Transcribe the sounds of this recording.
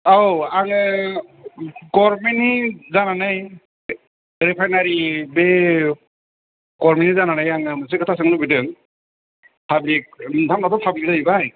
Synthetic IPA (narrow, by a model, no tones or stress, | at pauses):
awaŋɯ | ɡɔɹmenizananaj | ɾɛpʰajnaɾibe | ɡɔɹmenizananajaŋɯmɯs̬ɯkʰɯtʰasɯŋlubidɯŋ | pʰablik̚dʰʱamnatɔpʰablidaibaj